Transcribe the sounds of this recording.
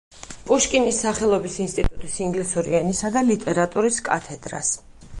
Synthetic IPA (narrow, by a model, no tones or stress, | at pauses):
pʼuʃkʼinisːaχɛlˠɔbisinst̪ʼit̪ʼut̪ʼisiŋɡlisɔɾḭanisad̪alit̪ʼɛɾat̪ʼuɾiskʼa̰t̪ʰɛd̪ɾa̰s